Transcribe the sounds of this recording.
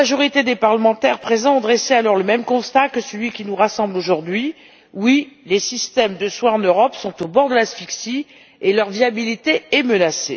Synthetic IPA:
aʒɔʁit̪ed̪epaʁləmɑ̃t̪ɛʁpχezɑ̃ːd̪ʁesealɔʁləmɛmkɔ̃st̪akəsəlɥikʲinuʁasɑ̃bloʒuʁd̪ɥi | wilesist̪ɛmd̪əswaɑ̃nøʁɔpsɔ̃t̪obɔʁd̪əlasfiksi | elœʁviabilit̪eɛmənase

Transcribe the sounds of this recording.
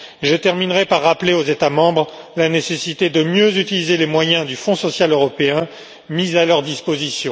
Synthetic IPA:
ʒət̪ɛʁminʁɛpaʁːapleozet̪amɑ̃bʁlanesesit̪ed̪əmjøzyt̪ilizelemwajɛ̃d̪yfɔ̃sɔsjaløʁɔpeɛ̃ | mizalœʁd̪ispozisjɔ̃

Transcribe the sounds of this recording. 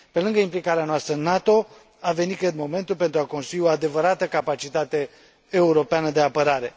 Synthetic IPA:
pe̞lɨŋɡəimplikaɾeanoast̪ɾənat̪o̞ | ave̞nit̪̚kɨd̪mo̞me̞nt̪ulpe̞nt̪ɾuako̞nst̪ɾuio̞ad̪e̞vəɾat̪əkapat͡ʃit̪at̪e̞ː | uɾo̞peanəd̪e̞apəɾaɾe̞

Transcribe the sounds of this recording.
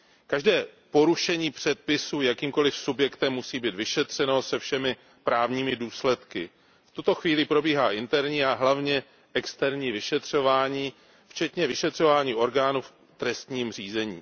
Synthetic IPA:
kaʒdɛːpo̞ɾuʃɛɲiːpr̝̥ɛt̪̚pɪsuːjakiːmko̞lɪfsubjɛkt̪ɛmːusiːbiːt̪vɪʃɛt̪r̝̥ɛnosɛfʃɛmɪ | pɾaːvɲiːmɪduːslɛt̪kɪ | ft̪ut̪o̞xviːlɪpɾo̞biːɦaːʔɪnt̪ɛɾɲiːaɦlavɲɛ | ʔɛkst̪ɛɾɲiːvɪʃɛt̪r̝̥o̞vaːɲiː | ft͡ʃɛt̪ɲɛvɪʃɛt̪r̝o̞vaːɲiːʔo̞ɾɡaːnuf | t̪ɾɛst̪ɲiːmr̝iːzɛɲḭː

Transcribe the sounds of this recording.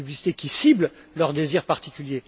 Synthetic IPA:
yblisi̥t̪ekʲisibl | lœʁd̪eziʁpaʁt̪ikʲylje

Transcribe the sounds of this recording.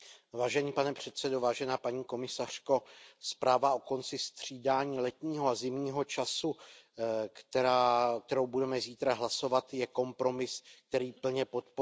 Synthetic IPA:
vaːʒɛɲiːpanɛpr̝̥ɛt̪sɛdovaːʒɛnaːpaɲiːko̞mɪsar̝̥ko̞spɾaːvaʔo̞ko̞nt͡sɪst̪r̝̥iːdaːɲiːlɛt̪ɲiːɦoazɪmɲiːɦo̞t͡ʃasu | kt̪ɛɾaːk̚t̪ɛɾo̞wbudɛmɛziːt̪ɾaɦlaso̞vat̪jɛko̞mpɾo̞mɪsk̚t̪ɛɾiːpl̩ɲɛpo̞t̪po

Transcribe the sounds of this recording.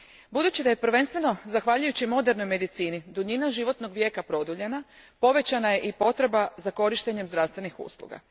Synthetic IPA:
bud̪uːt͡ɕid̪ajepɾ̩ʋe̞nst̪ʋe̞no̞zaxʋaʎujut͡ɕimo̞d̪e̞ɾno̞jme̞d̪it̪siːnid̪uʎinaʒiʋo̞t̪no̞ɡʋje̞ːkapɾo̞d̪uʎe̞napo̞ʋe̞t͡ɕanaje̞ʔipo̞t̪ɾe̞bazako̞ɾiʃt̪e̞ɲemzd̪ɾaʋst̪ʋe̞nixṵːslˠṵɡa̰

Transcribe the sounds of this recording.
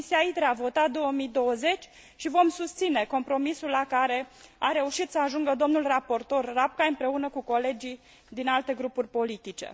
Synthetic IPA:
siait̪ɾeavo̞t̪at̪̚d̪o̞omid̪o̞wəze̞t͡ʃʲ | ʃivo̞msust̪sine̞ko̞mpɾo̞misulːakaɾe̞aɾe̞uʃit̪səaʒuŋɡəd̪o̞mnulrapo̞rt̪o̞rːap̚kaɨmpɾe̞unəkuko̞le̞d͡ʒi | d̪inalt̪e̞ɡɾupurʲpo̞lit̪it͡ʃe̞̰

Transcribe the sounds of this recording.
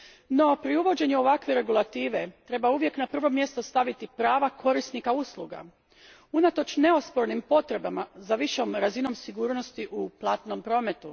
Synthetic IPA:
no̞pɾiuʋo̞d͡ʑe̞ɲeo̞ʋakʋeɾe̞ɡulˠat̪iːʋe̞t̪ɾe̞bauʋje̞knapr̩ʋo̞mje̞st̪o̞st̪aʋit̪ipɾaːʋakʰo̞ɾisnikauslˠuɡa̰ | unat̪o̞t͡ʃne̞ospo̞ɾnimpo̞t̪ɾe̞bamazaʋiʃo̞mɾazino̞msiɡuːɾno̞st̪iʔuplˠaːt̪no̞mpɾo̞ːme̞t̪u

